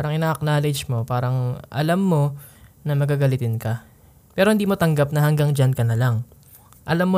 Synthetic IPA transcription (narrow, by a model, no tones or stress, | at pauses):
aːɾɐŋʔɪnaːʔɐk̚naːlɛd͡ʒmo̞paːɾɐŋʔɐ̰lamːo̞nɐmɐɡaɡɐlɪt̪ɪnkɐ | pɛːɾohɪnd̪iːmo̞t̪ɐŋɡap̚nɐhɐŋɡaŋd͡ʒɐnkɐnɐlaŋ | ʔɐlamːo